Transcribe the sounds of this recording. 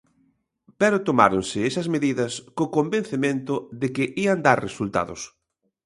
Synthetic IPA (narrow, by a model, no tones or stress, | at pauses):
pɛɾʊt̪omaɾonsɪesɐzmeðiðɐskokombẽnθemẽnt̪ʊðɪkɪʔiɐnd̪aɾresult̪a̰ðʊ̰s